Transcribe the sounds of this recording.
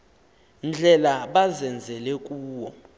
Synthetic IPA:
nd͡ɮʱɛlaɓazɛnd͡zʱɛlɛk̬ʼuːwɔ

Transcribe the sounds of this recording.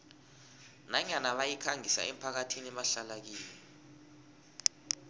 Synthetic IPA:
naɲanaɓajikʰaŋʱisa̰ɛ̰m̩pʰak̬atʰinɛɓaɬalak̬iːlɛ

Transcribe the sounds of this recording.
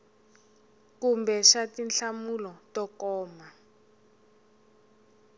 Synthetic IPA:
kumbɛʃatinɬamulɔtɔkɔːma

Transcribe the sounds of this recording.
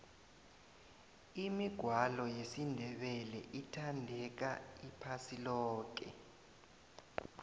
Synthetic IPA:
imiɡ̥ʱwalɔjesindʱɛɓɛlɛ̰ʔitʰandʱɛk̬aipʰasilɔːk̬ɛ̰

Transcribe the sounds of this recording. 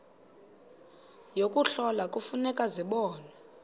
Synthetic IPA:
jokʼuɬɔlakʼufunɛkʼaziɓɔːnɛ

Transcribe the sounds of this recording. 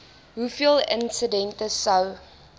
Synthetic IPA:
ɦufilɪ̰̃nsədɛ̃ntəsaw

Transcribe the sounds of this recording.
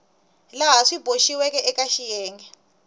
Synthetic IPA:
laɦaʂib̥ʱoʃiwɛkɛʔɛkaʃijɛːŋɡɛ

